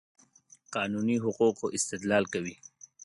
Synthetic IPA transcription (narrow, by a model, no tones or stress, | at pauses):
qɑːnuniɦʊquqoʔɪst̪ɪd̪lɑlkawi